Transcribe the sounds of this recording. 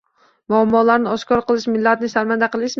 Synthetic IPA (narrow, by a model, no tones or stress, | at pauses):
muamːɒlˠaɾnɪɒʃkɒɾqɨlˠɪʃmɪlːat̪nɪsaɾmand̪æqʰɨlˠɪʃ